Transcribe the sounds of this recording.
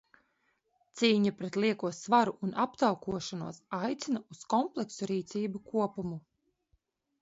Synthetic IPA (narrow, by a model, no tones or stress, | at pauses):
t̪siːɲapɾet̪lˠiɛkuɔsvaɾuʔːnʔapt̪awkuɔʃanuɔsajt̪sinauskɔmplˠeksuɾiːt̪siːbukuɔpumu